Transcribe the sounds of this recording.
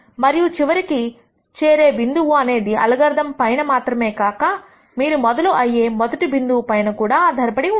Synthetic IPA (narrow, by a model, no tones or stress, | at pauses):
mɐɾijut͡ʃiʋɐɾiki | t͡ʃeːɾeːʋind̪uʋuɐne̞ːd̪iɐ̰lɐɡɐɾd̪ɐmpɐjnɐmaːt̪ɾɐme̞ːkaːkɐ | miːɾumɔd̪ɐluʔɐjːeːmɔd̪ɐʈibind̪uwpɐjnɐkuːɽaːd̪ʱɐɾɐpɐɽi